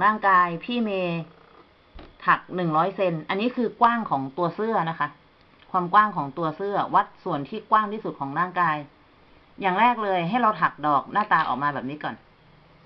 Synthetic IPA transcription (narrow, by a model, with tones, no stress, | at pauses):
ŋɾaː˥˩ŋkaː˧jpʰiː˥˩meː˧ | t̪ʰa˨˩k̚nɯ˨˩ŋɾɔː˦˥jse˧nʔa˧nːiː˦˥kʰɯː˧kwaː˥˩ŋkʰɔː˩˦ŋt̪u˧ɐsɯː˥˩ɐna˦˥kʰa˦˥ | kʰwaː˧mkwaː˥˩ŋkʰɔː˩˦ŋt̪u˧ɐsɯ˥˩ɐwa˦˥t̪̚su˨˩ənt̪ʰiː˥˩kwaː˥˩ŋt̪ʰiː˥˩su˨˩t̪̚kʰɔː˩˦ŋnaː˥˩ŋkaː˧jː | aː˨˩ŋɾɛː˥˩k̚lɤː˧jɦa˥˩jɾa˧wt̪ʰa˨˩k̚dɔː˨˩k̚naː˥˩t̪aː˧ʔɔ̰ː˨˩k̚maː˧bɛː˨˩p̚niː˦˥kɔː˨˩n